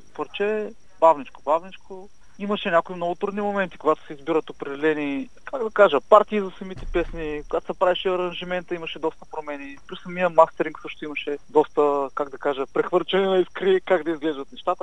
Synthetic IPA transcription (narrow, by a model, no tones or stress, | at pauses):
pəɾt͡ʃɛ | bavnit͡ʃko̥bavnit͡ʃko | imɐʃɛnʲakoimnɔɡʊt̪ɾud̪nimomɛnt̪i̥koɡat̪ʊ̥sɛizbiɾət̪opɾɛd̪ɛlɛni | kaɡd̪ɐkaʒəpaɾt̪iːzɐsɐmit̪ɛpɛsnikoɡat̪osɛpɾaviʃɛɐɾɐnʒimɛnt̪əimɐʃɛd̪ɔst̪ə̥pɾomɛnipɾisɐmiəmast̪ɛɾiŋksɤʃt̪ʊimɐʃɛd̪ɔst̪əkaɡd̪ɐkaʒəpɾɛxvɤɾt͡ʃɛninɐiskɾikaɡd̪ɐizɡlɛʒd̪ɐt̪nɛʃt̪at̪ə